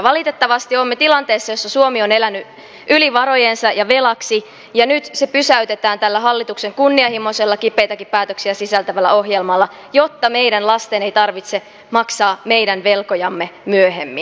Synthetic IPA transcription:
ʋɑlit̪et̪ːɑʋɑst̪iomːet̪ilɑnt̪e̞ːsːɑjo̞sːɑsuomio̞ne̞lænːy | ʔyliʋɑɾo̞jensɑjɑʋelɑksi | jɑnyt̪se̞pysæyt̪et̪æːnt̪ælːæɦɑlːit̪ukseŋkunːiɑhimo̞selːɑkipːejt̪ɑkippæːt̪øksiæsisælt̪æʋælːæo̞ɦjelmɑlːɑ | jo̞t̪ːɑme̞idænlɑst̪ene̞ijt̪ɑrʋit̪se̞ | mɑksɑːme̞jdænʋe̞lkojɑmːemyøhemːin

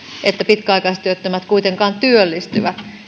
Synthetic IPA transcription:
et̪ːæpit̪kæɑikɑist̪yøt̪ːømæt̪kuit̪eŋkɑːnt̪yølːist̪yʋæt̪

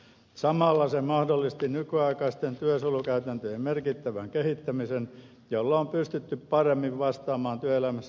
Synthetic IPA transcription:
sɑmɑlːɑsemɑhdolːˑist̪inykyɑikɑist̪ent̪yøsolukæyt̪ænt̪øjemmerkit̪ːæʋæŋkehit̪ːæmisen | jolːɑompyst̪yt̪ːyppɑremːiʋʋɑst̪ɑːmɑːnt̪yøelæmæsː

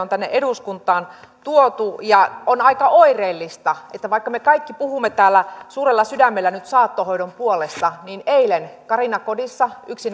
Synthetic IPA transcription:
ont̪ænːḛʔeduskunt̪ˑɑːn | t̪uot̪ujɑonɑikɑʔoireːlːist̪ɑet̪ːæʋɑikːɑmekɑikːipuhumːet̪æːlːæsuːrelːɑsydæmːelːænyt̪sɑːt̪ːohoidompuolest̪ɑniːneilenkɑrinɑkodisːɑyksin

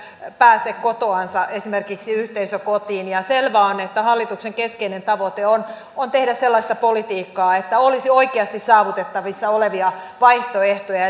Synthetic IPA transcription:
pæːsekkot̪oɑnsɑʔesimerkiksiyht̪eisøkot̪iːnjɑselʋæonet̪ːæhɑlːit̪ukseŋkeskeinent̪ɑʋot̪eon | ont̪ehdæsselːɑst̪ɑpolit̪iːkːɑːet̪ːæolisioikeɑst̪issɑːʋut̪et̪ːɑʋisːɑoleʋiɑʋɑiht̪oeht̪ojɑ

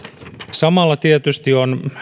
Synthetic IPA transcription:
sɑmɑlːɑt̪iet̪yst̪ion

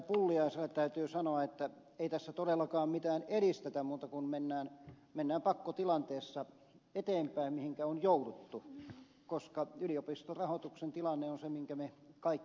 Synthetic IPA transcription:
pulːiɑiselːˑett̪æyt̪yːsɑnoɑet̪ːæ | eit̪æsːæt̪odelːˑɑkɑːmmit̪æːneɾist̪et̪æmmuːt̪ɑkunmenːæːn | menːæːmpɑkːot̪ilɑnt̪eːsːɑ | et̪eːmpæimmihiŋkæonjoudut̪ːu | koskɑyliopist̪orɑhot̪uksent̪ilɑnːeonsemiŋkæmekɑikː

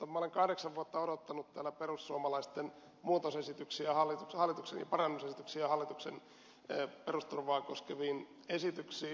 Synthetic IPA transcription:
ɑmɑoleŋkɑhɾeksɑʋʋuot̪ːɑodot̪ːɑnut̪t̪æːlːæperussuomɑlɑist̪en | muːt̪osesit̪yksiæhɑlːit̪ukhɑlːˑit̪uksḛnjɑpɑrɑnːusesit̪yksiæhɑlːˑit̪uksenː | perust̪urʋɑːkoskeʋiːn | esit̪yksiː

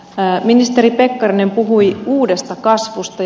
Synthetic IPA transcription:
minist̪eɾipe̞kːɑrine̞mpuɦujuːde̞st̪ɑkɑsʋust̪ɑ

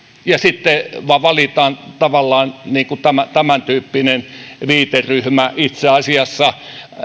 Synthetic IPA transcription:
jɑsit̪ːeʋɑʋɑlit̪ɑːnt̪ɑʋɑlːɑːnniːŋkut̪æmæt̪æmænt̪yːpːinenʋiːt̪eryhmæʔit̪seɑsiɑsːɑ

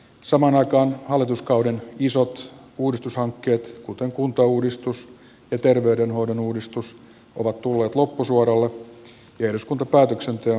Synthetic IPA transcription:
sɑmɑːnɑikɑːnhɑlːit̪uskɑwdenisot̪uːdist̪ushɑŋkːeːt̪kut̪eŋkunt̪ɑuːdist̪us | jɑt̪erʋeydenɦoidonuːdist̪us | ʔo̰ʋɑt̪t̪ulːeːt̪lopːusuoɾɑlːe | jɑeduskunt̪ɑpæːt̪øksent̪e

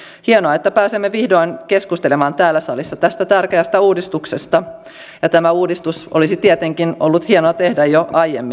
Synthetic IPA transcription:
hienoɑet̪ːæpæːsemːeʋihdo̞inke̞skust̪elemɑːnt̪æːlːæsɑlisːɑt̪æst̪æt̪ærkeæst̪æuːdist̪uksest̪ɑ | jɑt̪æmæuːdist̪usʔolisit̪iet̪e̞ŋkinolːut̪hienoɑt̪e̞hdæjoɑjḛmːi

